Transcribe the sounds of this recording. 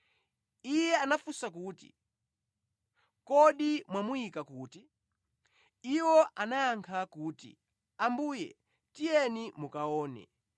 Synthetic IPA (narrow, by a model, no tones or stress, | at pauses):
ijɛanafusakuːtḭ | kɔɗimwamuikakuːti | iwɔʔanaːŋkʰakuːtḭ | ambuːjɛ̰ | tijɛnimukaɔːnɛ̰